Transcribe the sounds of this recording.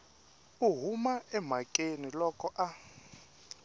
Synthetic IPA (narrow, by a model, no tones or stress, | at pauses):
uɦumaɛm̤akʼenilɔkʼɔʔa